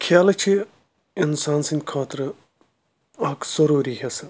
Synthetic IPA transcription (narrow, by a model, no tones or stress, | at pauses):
kʰjaːlɐt͡ʃʰi | ɪnsaːnsinʲkʰaːt̪ɾɨ | ɐːkz̥ɐɾuːɾiɦesɐ